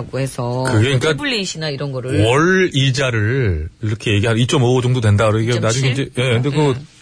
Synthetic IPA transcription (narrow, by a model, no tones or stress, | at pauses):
ɡoɦe̞sʰʌkɯɡe̞ink͈apuʎːiɕʰinaiɾʌnɡʌɾɯɭwʌɭid͡ʑaɾɯɭiɾʌkʰe̞jeɡiɦanit͡ɕ͈ʌmood͡ʑʌŋdodwe̞ndaɯɾoiɡenad͡ʑuŋeind͡ʑeje̞kɯnde̞kɯ